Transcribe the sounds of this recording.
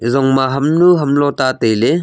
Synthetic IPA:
izɔŋmaɦɐmnuɦɐmlɔtatejle

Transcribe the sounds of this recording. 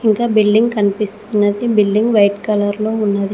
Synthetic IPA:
iŋkaːbilɖiŋɡkɐnipist̪unːɐd̪ibilɖiŋɡʋɐjʈkɐlɐɾlo̞ːunːɐd̪i

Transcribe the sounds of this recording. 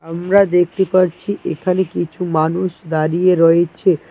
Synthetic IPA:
əmɾad̪ek̚ʰt̪ipəɾt͡ʃʰiʔekʰanekit͡ʃʰũmanuʃd̪aɾieɾɔet͡ʃʰe

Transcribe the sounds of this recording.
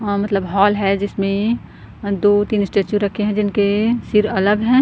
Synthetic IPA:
mɐt̪ləbɦɔːlɦɛd͡ʒɪsmẽ | d̪oːt̪iːnsʈeːt͡ʃjuɾɐkʰeɦɛ̃d͡ʒɪnkesɪɾɐləbɦɛ̃ː

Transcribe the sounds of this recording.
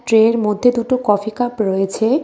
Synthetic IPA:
ʈɾeɾmod̪ʱːed̪uʈokɔfikapɾoet͡ɕʰe

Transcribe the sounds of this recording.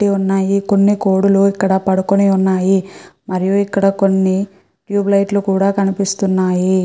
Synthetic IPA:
ʈːiunːaːjiko̞nːiko̞ːɽuluikːɐɽɐpɐɽukoneːunːaːjimɐɾijuikːɐɽɐko̞nːi | ʈjuːblɐjʈlukuːɽaːkɐnipist̪unːaːji

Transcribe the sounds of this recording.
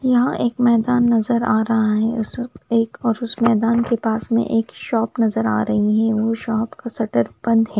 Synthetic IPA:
jɐɦãʔeːkmɛːd̪aːnːɐzəɾaːɾɐɦaɦɛ̃ʊseːkɔːɾʊsmɛːd̪aːnkepaːsmḛ̃ʔeːkʃɔːpnɐzəɾa̰ːɾɐɦiɦɛ̃ʋoʃɔːpkasɐʈəɾb̥ɐ̃nd̪ɦɛː

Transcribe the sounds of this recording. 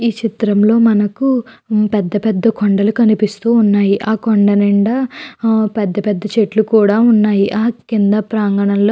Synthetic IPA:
iːt͡ʃit̪ɾɐmlo̞ːmɐnɐkupɛd̪ːɐpɛd̪ːɐkʰɔɳɖɐlukɐnipist̪uːnːaːjiʔaːkɔɳɖɐnɛɳɖɐ | pɛd̪ːɐpɛd̪ːɐt͡ʃeʈlukuːɽaːunːaːjiʔaːkind̪ɐpɾaːŋɡɐɳɐnloː

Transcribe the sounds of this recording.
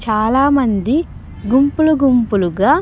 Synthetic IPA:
t͡ʃaːlaːmɐnd̪i | ɡumpuluɡumpuluɡaː

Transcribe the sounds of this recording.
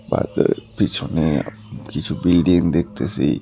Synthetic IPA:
ba̰ːt̪pit͡ʃʰone | kit͡ʃʰubɪlɖĩŋɡd̪ek̚ʰt̪esḭ

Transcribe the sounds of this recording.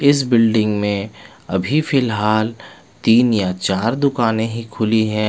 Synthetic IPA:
ɪs̬bɪlɖɪ̃ŋɡmẽ | ɐbʱifɪlɦaːl | t̪iːnjat͡ʃaːɾd̪ʊkaːnẽɦikʰʊliɦɛ̃ː

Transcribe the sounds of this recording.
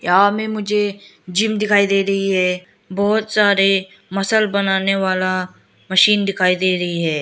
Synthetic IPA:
jaːmẽmʊd͡ʒʱe | d͡ʒɪmd̪ɪkʰaːid̪eːɾɐɦiɦɛː | bɔːt̪saːɾe | mɐsəlbɐnaːneʋaːla | mɐʃiːnd̪ɪkʰaːid̪eːɾɐɦiɦɛː

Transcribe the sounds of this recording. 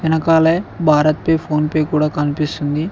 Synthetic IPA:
ɐnɐkaːleːbʱaːɾɐt̪̚pɐjpʰo̞ːnpɐjkuːɽaːkɐnipist̪und̪i

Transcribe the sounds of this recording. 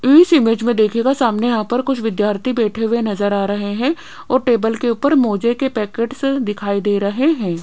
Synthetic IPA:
iːsɪmeːd͡ʒmẽd̪eːkʰeɡasaːmnejɐɦãpɐɾkʊt͡ʃʰʋɪd̪jaːɾt̪ʰibɛːʈʰeʋenɐzəɾaːɾɐɦeɦɛ̃ | ɔːɾʈeːbəlkeuːpəɾmoːd͡ʒekepɛːkeːʈsd̪ɪkʰaːid̪eːɾɐɦeɦɛ̃ː

